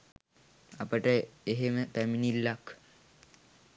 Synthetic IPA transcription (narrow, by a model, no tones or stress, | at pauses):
apəʈəeɦeməp̪æminilːak